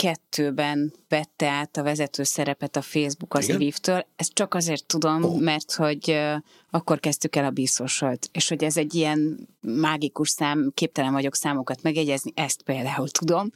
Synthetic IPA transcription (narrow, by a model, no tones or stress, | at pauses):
kɛt̪ʰːøːbɛnvɛt̪ːɛaːt̪ɒvɛzɛt̪øːsɛɾɛpɛt̪ɒfeːzbukɒzviːft̪øːlɛst̪̚t͡ʃɒkɒzeːrt̪ːud̪o̞mːɛrt̪ho̞ɟ | ɒkːo̞rkɛzt̪ykɛlɒbiso̞ʃolt̪eːʃho̞ɟɛzɛɟːijɛnmaːɡikuʃsaːmkeːp̚t̪ɛlɛɱvɒɟo̞ksaːmokɒt̪mɛɡjɛɟɛzniʔɛst̪̚peːld̪aːult̪ud̪o̞m